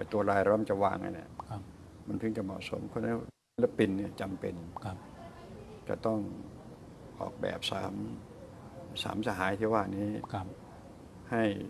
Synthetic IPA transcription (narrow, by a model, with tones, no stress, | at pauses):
pa˧˩jt̪u˧ɐɾaː˧jɾa˧˦˧nt͡ɕa˧˩waː˧ŋa̰˧jna̰˧˩˦ | ma˧˥nt̪ʰɯ˧˩ŋt͡ɕa˧˩mɔ̰˨ʔso˨˦mkʰːnlɛ˧˥ | lɛ˦˧˥pi˧nːi˧˩ɐt͡ɕa˨mpḛ˧nʰ˧ | t͡ɕa̰˧˩t̪ɔ˥˩ŋ | ʔɔ̰ː˨˩k̚bɛ̰ː˨˩p̚sa̰ː˩˦m | sa̰ː˩˦msaː˧ɦaː˩˦jt̪ʰiː˧˩waː˧˩niː˦˥˩ | ha˥˩j